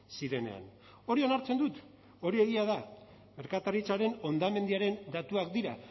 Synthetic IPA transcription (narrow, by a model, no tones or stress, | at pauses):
siɾe̞ne̞̰a̰n | o̞ɾio̞naɾt͡se̞nd̪ut̪ | o̞ɾie̞ɣiað̞a | me̞ɾkat̪aɾit͡saɾe̞no̞nd̪ame̞nd̪iaɾe̞nd̪at̪uakd̪iɾa